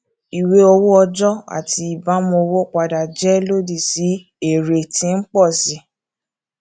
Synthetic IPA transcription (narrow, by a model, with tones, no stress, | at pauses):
i˨we˦o˧wo˦ɔ˧d͡ʒɔ˦a̰˨ti˧i˨ba˨˦mɔ̃˧o˧wo˦˨k͡pa˧da˨d͡ʒɛ˨˦lo˦di˦˨si˨˦ | e˨ɾe˨tĩ˧˦n̩˦k͡pɔ˦˨si˨˦